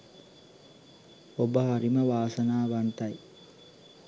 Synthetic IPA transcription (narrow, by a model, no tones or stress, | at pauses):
obəɦaɾiməʋaːsɐnaːʋant̪ɐj